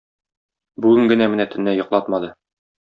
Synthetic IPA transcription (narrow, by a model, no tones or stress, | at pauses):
bʉɡɘŋɡɘ̆næmɘ̆næt̪ʰɘ̆nːæjŏqlˠɑt̪mɑd̪ɤ